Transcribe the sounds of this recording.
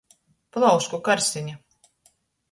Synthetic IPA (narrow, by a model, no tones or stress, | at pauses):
plˠawskukaɾsiɲa